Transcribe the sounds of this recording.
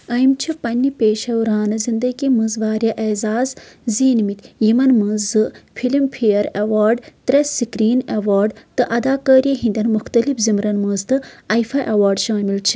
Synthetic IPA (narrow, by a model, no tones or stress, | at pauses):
ɐjmt͡ʃʰipɐnʲːipeːʃɐwɾaːnɐzind̪ɐɡimɨ̃zʋaːɾjɐʔeːzaːzziːnmit̪jimɐnmɨzɨfʰilimpʰijɐɾeʋaːɾɖt̪ɾesikɾiːnewaːɾɖt̪ɨʔɐd̪aːkɐːɾiɦĩnd̪ʲɐnmuxt̪ɐlifzimɾɐnmɐːzt̪ɨɐjfʰaʔɐʋaːɾɖʃaːmilt͡ʃʰi̥